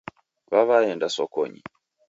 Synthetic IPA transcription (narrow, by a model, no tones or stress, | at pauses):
βaβaɛndasɔkɔ̰ɲḭ